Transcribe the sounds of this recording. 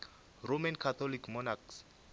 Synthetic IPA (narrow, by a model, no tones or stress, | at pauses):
romankʰat̪ʰɔlikʰmɔnaks